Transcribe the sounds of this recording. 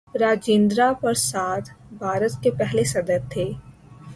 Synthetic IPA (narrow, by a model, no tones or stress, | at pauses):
ɾaːd͡ʒẽːnd̪ɾapɐɾsaːt̪ʰbʱaːɾət̪kepɛɦlesɐd̪əɾt̪ʰːeː